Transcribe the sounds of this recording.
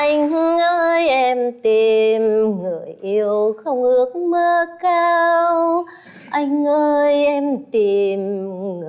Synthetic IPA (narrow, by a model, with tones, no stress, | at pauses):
ʔa˧jŋh̩˧˦ʔə˧jʔɛ˧mt̪i˨˩mŋɨ˨˩əjʔi˧əwxə˧wŋ͡mʔɨ˧˦ək̚məː˧kaː˧w | ʔa˧jŋ̟ʔəː˧jʔɛ˧mt̪i˨˩m˨˩